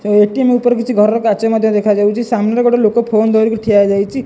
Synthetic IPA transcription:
eʈiemeupɔɾkit͡ʃʰiɡʱɔɾɔɾɔkat͡ʃɔmad̪ʱjɔd̪ekʰad͡ʒawt͡ʃʰisamnɾɔɡɔɽelokopʰond̪ʱoɾikuʈʰiad͡ʒajt͡ʃʰi

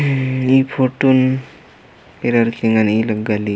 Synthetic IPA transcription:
ipʰoʈun | eɾaɾkiŋɡaniləɡali

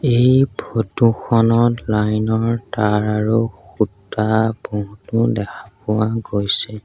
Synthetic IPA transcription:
ejbʱotuxɔnɔtlajnɔɹtaɹaɹoxutːabɔɦutʊdɛkʰḁpʊwaɡojsɛ

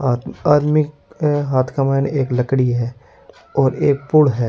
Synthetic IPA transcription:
aːd̪mɪkɦaːt̪ʰkamaːneːkləkɽiɦɛː | ɔːɾeːk̚pʊɽɦɛː

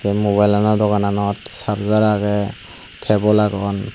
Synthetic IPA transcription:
ɛmoβajlanadɔɡananɔtsapzaɾaɡɛ | kʰɛbɔlaɡɔn

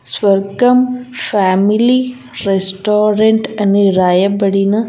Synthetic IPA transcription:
sʋɐɾkɐmfaːmili | ɾesʈoːɾeɳʈɐneɾaːjɐbɐɽinɐ

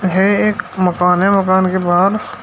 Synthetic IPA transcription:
ɦɛeːkmɐkaːnɦɛmɐkaːnkebaːɾ

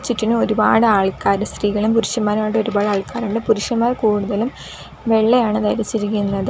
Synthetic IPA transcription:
t͡ɕːitːinuo̞ɾuba̰ːɽɨaːɭkaːɾɨst̪riːɣɐɭumpuɾuʂjɐmːaːɾmaːɖoɾubaːɽɨaːɭkaːɾuɳɖɨpuɾuʂjɐmːaːrkuːɽuðɐlum | ʋe̞ɭːejaːɳɨt̪ɐjɾit͡ɕːiɾikʲːunːɐðɨ

